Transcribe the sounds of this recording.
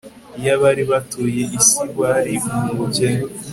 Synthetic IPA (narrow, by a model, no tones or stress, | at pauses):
ijaβaɾiβatujeʔisiβaɾiumuɟe